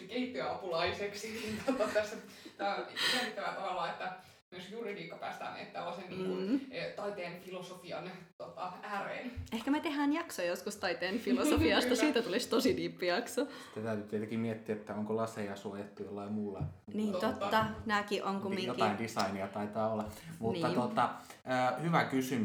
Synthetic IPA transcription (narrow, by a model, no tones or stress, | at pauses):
kehit̪ːøɑpulɑiseksinint̪ot̪ɑt̪æsːe | t̪æselːit̪ːæʋæt̪ɑʋɑlːɑːet̪ːæ | mosjuːriliːkːɑpæ̰ːst̪æ̰ːnḛt̪ːæ̰oseniːŋːut̪ɑit̪eːnfilosofiɑ̰nt̪ot̪ɑæːrḛnehkæmæt̪ehæːnjɑksojoskust̪ɑit̪eːnfilosofiɑst̪ɑsiːt̪æt̪ulist̪osidiːpːijɑkso | t̪ːet̪æyt̪yt̪et̪ækimiet̪ːiæet̪ːæoŋkolɑsejɑsujet̪ːujolːɑimuːlːɑniːnt̪ot̪ːɑnækiʔoŋkummːiŋot̪ɑindisɑiniɑt̪ɑit̪ɑːolːɑmuniːɑot̪ːɑəːhyʋækysym